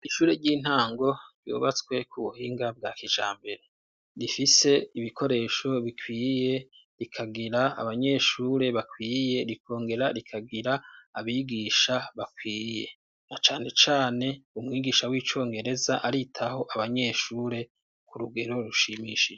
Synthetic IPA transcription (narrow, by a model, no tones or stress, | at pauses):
iʃuːɾe̞ɾɟiːn̥haːŋɡo̞ɾjo̰ːβat͡swe̞kʰuβuhiːŋɡab̚ɡaːkit͡ʃa̰ːmbe̞ɾe | ɾifise̞iβiko̞ɾe̞ːʃo̞βikwiːje̞ | ɾikʰaɡiɾaa̰βaɲe̞ʃuːɾe̞βakwiːje̞ɾikʰo̞ːŋɡe̞ɾaɾikʰaɡiɾaːβiːɡiːʃaβakwiːje̞ | nat͡ʃaːne̞t͡ʃaːne̞umŋiːɡiːʃawiːt͡ʃo̞ːŋɡe̞ɾe̞zaʔaɾitʰaho̞ʔaβaɲe̞ʃuːɾe̞ | kuɾuɡe̞ɾo̞ɾuʃimiʃid͡ʒe